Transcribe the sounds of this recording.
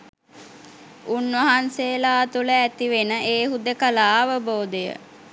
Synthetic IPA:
unʋɐɦansejəlaːt̪uləæt̪iʋenəʔeːɦud̪əkəlaːʋəboːd̪ejə̰

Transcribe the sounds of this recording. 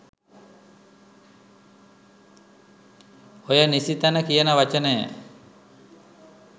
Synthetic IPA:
ojənisit̪anəkijənəʋat͡ʃənəjə̰

